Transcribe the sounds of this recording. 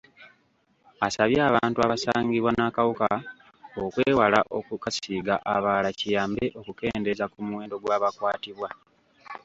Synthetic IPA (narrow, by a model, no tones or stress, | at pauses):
asaβjaːβaːntuaβasaːɲɟiβwanakawuka | okweːwalaʔokukasiːɡaʔaβaːlacijaːmbe̞ʔo̞kuke̞ːnde̞zakumuwe̞ːndo̞ɡwaːβakwaːtiβwa